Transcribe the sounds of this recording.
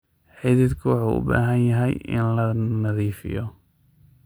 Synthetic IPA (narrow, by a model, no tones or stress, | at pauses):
ħɪðɪd̪kʰʊwɑħṵːʔʊ̰ba̰ːɦɐnjɐɦɛjɪ̰nlɐnɐðiːfɪ̰jɔ